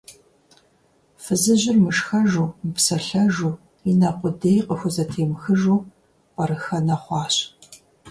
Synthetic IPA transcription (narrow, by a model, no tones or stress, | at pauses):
fɨzɨʑɪrmɨʂxɐʒuːmɨpsɐɬɐʒuː | inɐqʷʊdeːjqʼəxʷʊzɐtʰeːmxɨʒuː | qʼɐɾɨxɐnɐχʷɑːɕ